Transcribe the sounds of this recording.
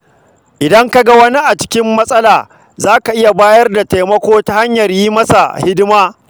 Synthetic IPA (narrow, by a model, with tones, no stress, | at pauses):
ʔɪ˨dɐ˦ŋka˦ɡa˦wɐ˦ni˦ʔa˨t͡ʃɪ̥˦kʲɪ˦mːɐ˦sʼɐ˦laː˨ | zaː˦ka˨ʔɪ˦ja˨baː˦jɐ˦rda˨ta˨mɐ˦kʷoː˦ta˦ha˦ɲjɐ˨rjiː˦mɐ˦sa˨hɪ˦dɪ˦maː˦